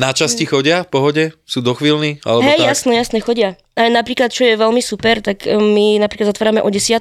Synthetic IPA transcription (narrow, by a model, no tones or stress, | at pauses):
nat͡ʃascixɔɟɪafpɔɦɔɟɛsuːd̪ɔxʋiːlnia̰lɛɦɛjjasnɛjasnɛxɔɟɪa | anapɾiːklat̪̚t͡ʃɔjɛʋɛlmisupɛɾt̪akminapɾiklad̪zat̪ʋaːɾamɛʔɔɟɛsɪat̪